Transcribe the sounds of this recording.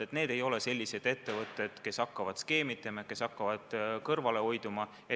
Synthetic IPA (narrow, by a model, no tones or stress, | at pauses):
et̪ne̞ːd̪e̞jo̞le̞se̞lʲːise̞d̪̥e̞t̪ːe̞vɤt̪ːˑe̞d̪̥ke̞sɑkːɑvɑd̪̥ske̞ːmit̪ːˑemɑke̞sɑkːɑvɑd̪̥kɤrvɑle̞o̞jd̪umɑ | e